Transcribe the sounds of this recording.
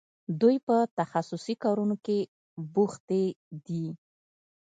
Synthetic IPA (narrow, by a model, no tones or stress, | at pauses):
d̪ujpət̪axasʊsikɑɾunoke | buxt̪ed̪i